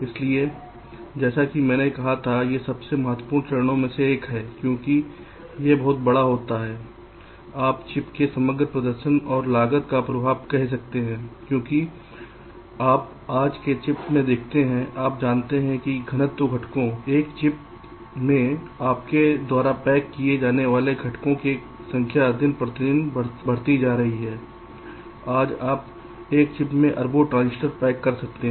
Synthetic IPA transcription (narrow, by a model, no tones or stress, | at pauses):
ɪslie | d͡ʒɛːsakimɛ̃ːnekɐɦat̪ʰajesɐbsemɐɦət̪wəpuːɾnt̪ɛːɾñõmẽseeːkɦɛːkjõːki | jebɔɦt̪̚bɐɽaɦoːt̪aɦɛː | aːpt͡ʃɪpkesɐməɡɾəpɾəd̪əɾʃənɔːɾlaːɡət̪kapɾɐbʱaːʋkɛɦs̬ɐk̚t̪eɦɛ̃ːkjõːki | aːp̚ | aːd͡ʒket͡ʃɪpmẽd̪eːkʰt̪eɦɛ̃ʔaːp̚d͡ʒaːnt̪eɦɛ̃kiɡʱɐñət̪ːoɡʱɐʈkõeːkt͡ʃɪp | mẽ | aːpked̪waːɾapɛːkːied͡ʒaːneʋaːleɡʱɐʈkõke | sɐ̃ŋkʰjad̪ʱɪnpɾət̪ɪnbɽbɐɽ̤t̪id͡ʒaːɾɐɦiɦɛː | aːd͡ʒaːp | eːk̚t͡ʃɪpmẽʔɐɾbʱoʈɾãːnsɪʈəɾpɛːkːɐɾsɐk̚t̪eɦ